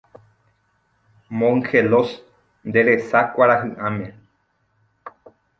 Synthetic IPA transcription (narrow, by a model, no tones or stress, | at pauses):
mõŋxelos | nd̪e̞ɾesakʷaɾaɦɨʔãmẽ